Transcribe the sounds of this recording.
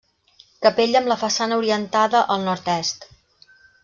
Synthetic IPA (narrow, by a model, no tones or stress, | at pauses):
kəpeʎəmləfəsanəuɾiənt̪aðəʔəlˠnɔɾt̪ɛst̪